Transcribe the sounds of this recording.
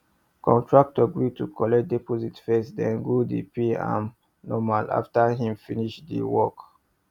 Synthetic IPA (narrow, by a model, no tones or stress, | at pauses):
kʰɔ̃ntʰɹak̚tɔɡɹitukʰɔlɛkt̚dɛpɔzitfɛsdɛ̃nɡudḭpiã̰m | nɔmala̰ftaɦĩmfiniʃdḭwɔk